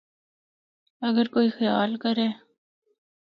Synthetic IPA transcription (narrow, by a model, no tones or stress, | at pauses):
ɐɡəɾkoːixijɑːlkɐɾeː